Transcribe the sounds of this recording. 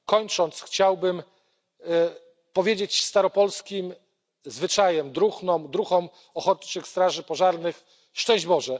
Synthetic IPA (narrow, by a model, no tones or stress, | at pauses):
kɔɲt͡ʂɔnt̪sxt͡ɕawbɘm | pɔvʲjed͡ʑet͡ɕst̪aɾɔpɔlskʲim | zvɘt͡ʂajɛmd̪ɾuxnɔmd̪ɾuxɔm | ɔxɔt̪t͡ʂɘkst̪ɾaʐɘpɔʐaɾnɘx | ʂt͡ʂɛ̃w̃ʑd͡ʑbɔʐɛ